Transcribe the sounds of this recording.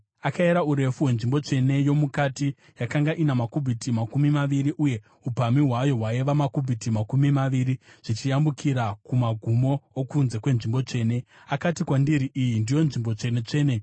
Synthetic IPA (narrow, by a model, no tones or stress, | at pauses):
akaeɾauɾe̞fuwe̞nʐimbo̞t͡ʂe̞ne̞jo̞mukati | jakaŋɡaʔinamakubʱitimakumimaʋiriʔuje̞ | upamiɦwajo̞ɦwaeʋamakubʱitimakumimaʋiɾiʐ̥it͡ʃijambukʰiɾakumaɡʱumo̞ːkunze̞kwe̞nʐimbo̞t͡ʂe̞ːne̞ | akatikwandiɾiʔijindijo̞nʐimbo̞t͡ʂe̞ne̞t͡ʂe̞ːne